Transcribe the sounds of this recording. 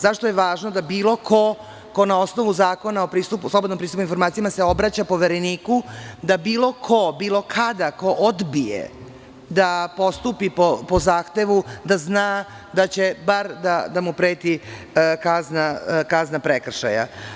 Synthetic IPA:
zaʃt̪ojeʋaːʒno̞d̪abiːlˠo̞kʰo̞ | ko̞nao̞sno̞ʋuzaːko̞naopɾiːst̪upuslo̞bod̪nompɾisupuinfo̞ɾmaːt̪sijamaseo̞bɾat͡ɕapo̞ʋeɾeniːkud̪abiːlo̞kʰo̞biːlˠo̞kʰad̪ako̞ʔod̪bijḛ | d̪apo̞st̪upipopo̞zaːxt̪e̞ʋud̪aznaː | d̪at͡ɕe̞baɾd̪ad̪amupɾeːt̪i | kaznakaznapɾekr̩ʃa̰ja̰

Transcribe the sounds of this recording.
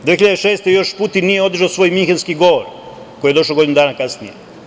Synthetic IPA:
d̪ʋexiʎad̪eʃe̞ːst̪ejo̞ʃput̪inːijeo̞d̪r̩ʒawsʋo̞ːjmiŋxenskiɡo̞ʋoɾ | ko̞jijed̪o̞ʃloɡod̪inud̪aːnakasnije

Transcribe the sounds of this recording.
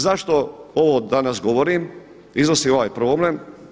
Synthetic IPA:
zaʃt̪o̞oʋoːd̪anasɡo̞ʋoɾim | iznosio̞ʋajpɾoːblem

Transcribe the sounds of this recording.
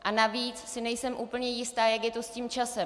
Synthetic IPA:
ʔanaviːt͡ssɪnɛjsɛmʔuːpl̩ɲɛjɪst̪aːjakjɛt̪o̞sciːmt͡ʃasɛ

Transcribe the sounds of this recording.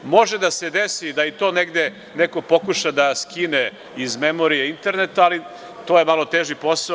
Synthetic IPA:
mo̞ʒed̪ased̪esid̪ait̪o̞ːneɡd̪e | neko̞po̞kuʃad̪askine | izmemo̞ɾijeint̪e̞ɾnet̪aːli | t̪oje̞malˠo̞t̪eːʒipo̞sa

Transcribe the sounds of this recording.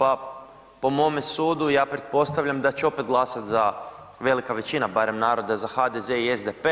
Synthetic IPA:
pa | po̞mo̞mesuːd̪ujaːpɾe̞t̪̚po̞st̪aʋʎamd̪at͡ɕeo̞pe̞t̪̚ɡlˠasat̪za | ʋe̞likaʋe̞t͡ɕinabaɾe̞mnaːɾo̞d̪azaxad̪eze̞iezd̪epe

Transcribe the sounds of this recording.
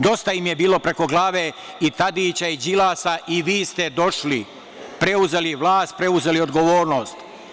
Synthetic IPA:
d̪o̞st̪aimje̞biːlo̞pɾe̞ko̞ɡlˠaːʋe | it̪ad̪iːt͡ɕaid͡ʑilaːsaʔiʋiːst̪e̞d̪o̞ʃli | pɾe̞uze̞liʋlˠaːst̪̚pɾe̞uze̞lio̞d̪ɡo̞ʋo̞ːɾno̞ːst̪

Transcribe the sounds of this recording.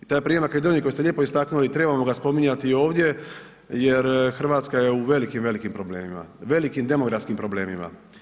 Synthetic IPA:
it̪oːjepɾiːjemake̞d̪onijikojusʎʲje̞ːpo̞ist̪aknulit̪ɾe̞bamo̞ɡaspo̞miɲat̪io̞ːʋd̪ʲje̞ | je̞ɾxr̩ʋaːt̪skaje̞uʋe̞likimʋe̞likimpɾo̞ble̞ːmima̰ʋe̞likimd̪e̞moɡɾafskimpɾo̞ble̞ːmima̰

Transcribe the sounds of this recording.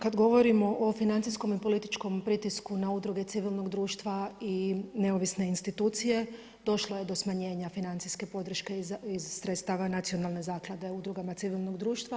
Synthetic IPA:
kad̪ɡo̞ʋo̞ɾimo̞ʔofinant̪isko̞mipo̞lit̪i̥t͡ʃko̞mpɾit̪iskunaud̪ɾuɡe̞t̪siʋilˠno̞ɡd̪ɾuːʃt̪ʋaine̞oʋisne̞inst̪it̪uːt̪sije̞ | d̪o̞ʃlˠoje̞d̪o̞smaɲe̞ːɲafinant̪siske̞po̞d̪ɾ̩ʃke̞izsːɾet̪st̪aːʋanat̪sio̞nalˠne̞zaːklˠad̪e̞ud̪ɾuɡamat̪siʋilˠno̞ɡd̪ɾuːʃt̪ʋa

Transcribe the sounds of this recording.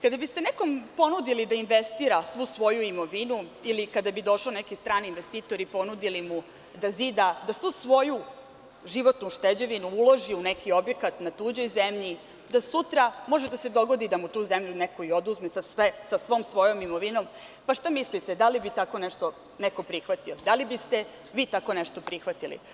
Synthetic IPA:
kad̪abist̪eneko̞mpo̞nud̪ilid̪ainʋest̪iːɾasʋusʋo̞juimo̞ʋinuilikad̪abid̪o̞ʃonekist̪ɾaːniinʋest̪iːt̪o̞ɾipo̞nud̪ilimu | d̪azid̪ad̪asʋusʋo̞ju | ʒiʋo̞t̪nuʃt̪ed͡ʑeʋinuuloʒiunekio̞bje̞kat̪nat̪uːd͡ʑo̞jzemʎi | d̪asut̪ɾamo̞ʒed̪ased̪o̞ɡo̞d̪id̪amut̪uːzemʎuneko̞iod̪uzmesasʋesasʋoːmsʋo̞jomimoʋinom | paʃt̪amislit̪ed̪alibit̪ako̞neʃt̪o | neko̞pɾixʋat̪iod̪alibist̪e | ʋiːt̪ako̞neʃt̪opɾixʋat̪ilḭ

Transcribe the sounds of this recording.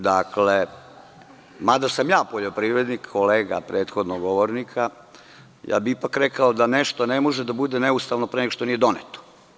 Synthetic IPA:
d̪akle | mad̪asamjaːpoʎo̞pɾiːʋɾed̪nikʰːoleːɡa̰pɾeːt̪xod̪noɡoʋoɾnikʰa | ja̰ːbiipakɾekaod̪aneʃt̪onemoʒed̪abud̪eneust̪aʋnopɾeneɡoʂt̪onijed̪o̞net̪o̥

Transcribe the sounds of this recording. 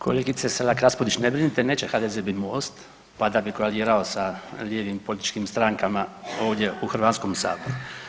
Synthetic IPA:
kolɛɡit̪sɛsɛlakɾaspod̪it͡ʃnɛbɾinit̪ɛnɛt͡ʃɛxad̪ɛzɛbimuɔst̪ | pad̪abikoaliːɾaosaljɛʋimpolʲit̪i̥t͡ʃkimst̪ɾaːŋkamaowɟʲɛuxr̩ʋanskɔmsa̰ːboɾu

